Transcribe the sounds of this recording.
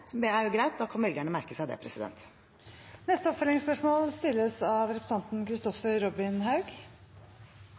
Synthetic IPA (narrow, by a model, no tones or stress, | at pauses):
sɔd̪ɛæɾjʊɡɾæɪt̪̚d̪ɑkʰɑnʋɛld̪ɪjæːɳəmæɾkəsæɪd̪ɛ̰pʰɾɛsɪd̪ɛ̰nt̪ | nɛst̪əɔpfœlɪŋspœʂmoːlst̪ɪlːəsɑʋɾɛpʰɾəsɑnt̪nkʰɾɪst̪ɔfəɾɾɔbɪnɦɑʉɡ